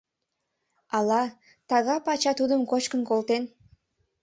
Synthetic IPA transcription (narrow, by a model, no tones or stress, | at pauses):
ɑlɑ | t̪ɑɣɑpɑt͡ɕɑt̪ud̪əmkot͡ʃkənkolt̪en